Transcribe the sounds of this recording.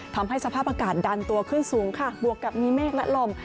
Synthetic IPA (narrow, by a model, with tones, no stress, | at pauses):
t̪ʰa˧mɦa˥˩jsa˧pʰaː˥˩p̚ʔaː˧kaː˨˩t̪̚da˧nt̪u˧ɐkʰɯ˥˩nsuː˩˦ŋkʰa˥˩bu˨˩əkːa˨˩p̚miː˧meː˥˩k̚lɛ˦˥ʔlo˧˩m